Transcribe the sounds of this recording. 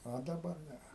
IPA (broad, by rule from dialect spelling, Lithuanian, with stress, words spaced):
oː dɐˈbɐr ˈnʲɛ